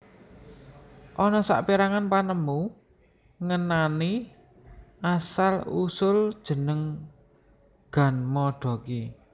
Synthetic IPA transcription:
ʔɔnɔsa̰ʔpiɾaŋanpanəmu | ŋənani | ʔasalusʊld̥ʒ̥ə̤nəŋ | ɡ̥a̤nmɔɖ̥ɔ̤ki

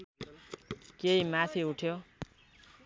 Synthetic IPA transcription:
keimat̪ʰiuʈʰjo

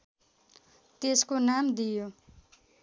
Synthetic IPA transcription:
t̪eskonamd̪ijo

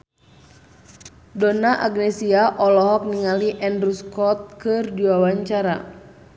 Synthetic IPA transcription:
donaʔaɡnɛsiaʔɔlɔɦɔk̚niŋaliʔɛndɾuskɔt̪̚kɨrdiwawaɲt͡ʃaɾa̰

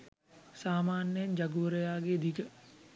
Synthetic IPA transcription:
saːmaːnjəjɐɲd͡ʒɐɡuʋəɾəjaːɡeːd̪ikə

